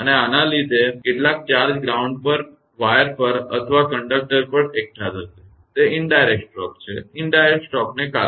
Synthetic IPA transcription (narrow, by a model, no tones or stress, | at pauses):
əneanalid̪ʱekeʈlak̚t͡ʃaɾd͡ʒɡɾauɳɖ̚pəɾ | ʋajəɾpəɾə̰t̪ʰʋakəɳɖək̚ʈəɾpəɾek̚ʈat̪ət͡ʃʰe | t̪eɪɳɖajɾeksʈɾɔkt͡ʃʰeɪɳɖajɾeksʈɔknekaɾ